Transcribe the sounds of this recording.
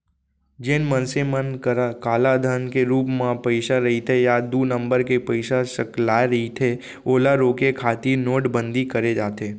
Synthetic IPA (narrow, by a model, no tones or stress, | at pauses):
d͡ʒenmənsemənkɾkaːlad̪ʱənkeɾuːpmãpəɪʃaɾɐɦit̪ʰejad̪uːnə̃mbəɾkepəɪʃasəklaːeɾɐɦit̪ʰe | oːlaɾoːkekʰaːt̪inoːʈbə̃nd̪ʱikəɾed͡ʒaːt̪eː